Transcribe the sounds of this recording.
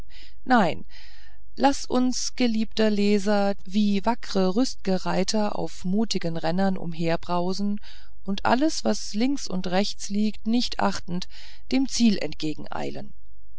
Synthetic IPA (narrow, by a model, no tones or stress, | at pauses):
naɪn | lasʔʊ̰nsɡ̥əliːp̚tɐleːzɐ | viːvakʁ̥əʁʏst̚ɡ̥əʁaɪtʰɐʔa̰ʊfmuːtɪɡənʁɛnɐnʔʊ̰mɦeːɐbʁaʊzn̩ | ʔʊntʔa̰ləsv̥aslɪŋksʊ̰ntʁɛçt͡sliːktnɪçtʔa̰χtn̩t | d̥eːmt͡siːlɛ̰ntɡ̥eːɡŋ̩ʔa̰ɪlə̰n